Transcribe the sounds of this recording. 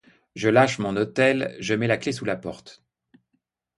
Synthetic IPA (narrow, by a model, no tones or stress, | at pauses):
ʒəlaʃmɔ̃not̪ɛlʒəmɛlaklesulapɔʁt̪